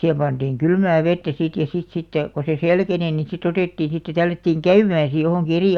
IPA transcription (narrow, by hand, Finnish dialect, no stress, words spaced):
sihem pɑnd̥iːŋ kylmæː ʋetːæ sit jɑ sit sitːe ko se selkeni ni sit oteˑtːiːn̞ sitːe tælːætːiːŋ kæymæːn̞ si johoˑŋki eri